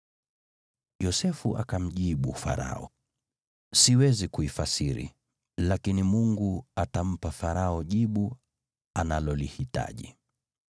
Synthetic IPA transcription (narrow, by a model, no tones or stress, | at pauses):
jɔsɛfuʔa̰kam̩ʄiɓufa̰ɾa̰ɔ̰ | siwɛzikuifasiɾḭ | lakinimuŋɡuatam̩pafaɾaɔʄiɓu | analɔlihita̰ʄḭ